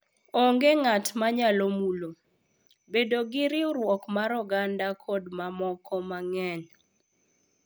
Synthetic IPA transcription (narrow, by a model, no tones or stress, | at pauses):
ɔŋɡeŋatmaɲalomulo | bedoɡɪɾɪʊɾwɔkmaɾɔɡandakʰɔdmamɔkʰɔmaŋɛɲ